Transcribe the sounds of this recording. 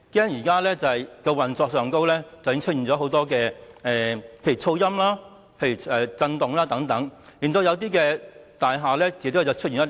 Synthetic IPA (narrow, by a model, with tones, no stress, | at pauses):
kɛː˥ŋjiː˨˩kaː˥lɛː˥t͡sɐ˨hɐ˨jkɛː˧wɐ˨˩nt͡sɔː˧ksœː˨ŋko˥wlɛː˥t͡sɐ˨wjɪ˥ŋt͡ʃʰɵ˥t̚i˨˩nt͡sɔː˨˥ɦo˨˧˥wt̪ɔː˥kɛː˧ɛː˨˧pʰe˧jyː˨˩t͡sʰo˧wjɐ˥mlaː˥ | pʰe˧jy˨˩ɛː˨t͡sɐ˧nt̪ʊ˨ŋlaː˥t̪ɐ˨˥ŋt̪ɐ˨˥ŋjiː˨nt̪o˧wjɐ˨˧wt̪iː˥kɛː˧t̪aː˨jɦaː˨lɛː˥t͡siː˨˥t̪o˥t͡sɐ˨˩wt͡ʃʰɵ˥t̚i˨nɐ˥t